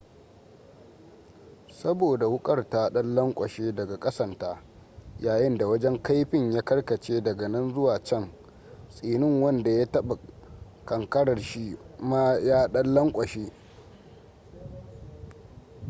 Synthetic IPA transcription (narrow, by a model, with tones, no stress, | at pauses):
sɐ˦boː˨da˨wʊ˦kʼɐ˦˨rta˦ɗɐ˦lːɐ˦ŋkʷʼɐ˨ʃeː˦dɐ˨ɡa˨kʼɐ˦sɐ˨ntaː˦ | jaː˨jɪ˦nda˨wɐ˦d͡ʒɛ˦ŋka˦jɸɪ˦ɲjaː˦kɐ˦rkɐ˨t͡ʃeː˦dɐ˨ɡɐ˨nɐ˦nzʊ˦waː˨t͡ʃɛ˦˨ŋ | sʼiː˨nɪ˦ŋwɐ˦nda˨ja˦tɐ˦ɓa˨ | kɐ˨ŋkɐ˦ɽɐ˨rʃi˦ma˦jaː˦ɗɐ˦lːɐ˦ŋkʷʼɐ˨ʃeː˦